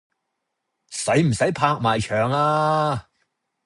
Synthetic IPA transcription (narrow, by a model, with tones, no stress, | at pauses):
sɐ˨˥jm̩˨˩sɐ˨˥jpʰaː˧k̚maː˨jt͡ʃʰœː˨˩ŋaː˧